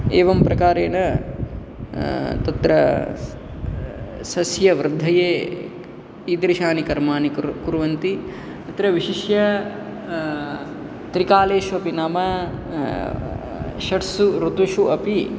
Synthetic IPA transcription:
ḛːʋɐmpɾɐkaːɾeːnɐ | t̪ɐt̪ɾɐ | sɐsjɐʋɾɪd̪ʱːɐjeː | iːd̪ɾiʃaːnikɐɾmaːnikkuɾʋɐnt̪i | ɐt̪ɾɐʋiʃiʃjɐ | t̪ɾikaːleːʃuɐpinaːmɐ | ʃɐʈsuɾut̪uʃuɐpi

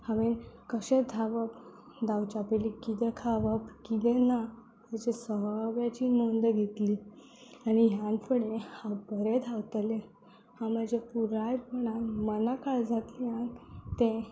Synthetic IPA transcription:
haʋẽnkəɕẽd̪ʱaʋəp | d̪awt͡ɕapelikit̪ɛkʰaʋəpkit̪ena | məd͡ʑesəɦʋjat͡ɕimond̪əɡʱet̪li | aniɦjãnfʰəɽehãbəɾed̪ʱawt̪əle | hãm̤əd͡ʑʱepuɾajɾpəɽ̃anmənakaɭd͡zʱat̪liãnt̪e

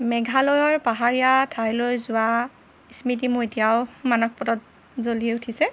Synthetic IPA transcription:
mɛɡʱalɔjɔɹpaɦaɹijatʰajlojzʊwa | ismitimʊɹetijaʊmanɔk̚pɔtɔt̚ | zolieutʰisɛ

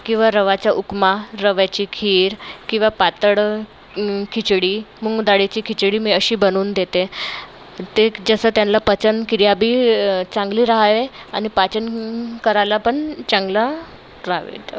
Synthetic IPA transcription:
kĩw̃ʋaɾəʋat͡ɕaʔukmaɾəʋjat͡ɕiːkʰiːɾkĩw̃ʋapat̪əɽ | kʰit͡sɽiːməɡd̪aɽet͡ɕiːkʰit͡ɕɽiːmiːəɕiːbənuːnd̪et̪e | t̪ed͡zəsəːt̪janlapət͡sənkiɾjabʱiːt͡sãŋɡliːɾaɦaʋeaɽ̃ipat͡ɕənkəɾalapəɳt͡ɕãŋɡla | ɾaɦʋḛt̪

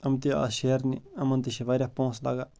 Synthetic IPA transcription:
əmt̪ia̰ːsʃeːɾniɐmɐnt̪iʃeʋaːɾjaːpõːsla̰ːɡaː

